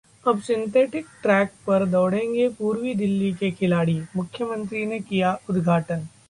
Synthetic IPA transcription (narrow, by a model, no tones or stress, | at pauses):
ɐbsɪ̃nt̪eːʈɪkʈɾɛːk̚pɐɾd̪ɔːɽ̤ẽːŋɡepuːɾwid̪ɪlːikekʰɪlaːɽimʊkʰːjəmə̃nt̪ɾinekijaʊd̪ɡʱaːʈən